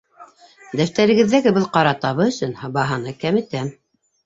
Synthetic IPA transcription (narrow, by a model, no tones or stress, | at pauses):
d̪æft̪æɾɘ̆ɡɘ̆ðːæɡɘbɤlˠqɑɾɑt̪ɑβɤɵ̆sɵnhɑbɑɦɤnɤkæmɘ̆t̪æm